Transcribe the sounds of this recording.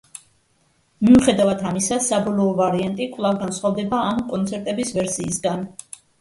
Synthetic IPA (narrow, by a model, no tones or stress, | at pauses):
miuχɛd̪avat̪ʰamisasabɔlˠɔːvaɾiant̪ʼikʼvlˠavɡansχwavd̪ɛbaːmkʼɔnt̪sʰɛɾt̪ʼɛbisvɛɾsiːsɡan